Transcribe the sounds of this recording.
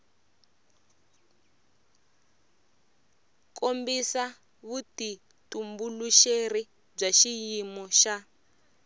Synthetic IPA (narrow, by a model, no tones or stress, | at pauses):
kʰombisa | βuti | tumbuluʃeri | b͡ʐaʃijimɔʃa